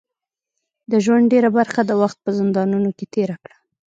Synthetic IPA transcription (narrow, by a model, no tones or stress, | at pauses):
d̪əʒwaɳɖeɾabaɾxad̪əwaxt̪̚pəzɪnd̪ɑnunoket̪eɾakɽḁ